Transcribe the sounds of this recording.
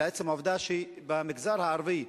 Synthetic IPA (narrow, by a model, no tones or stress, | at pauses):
ɛt͡sɛmovd̪aʃi | bamɪɡzaɾhaːɾvi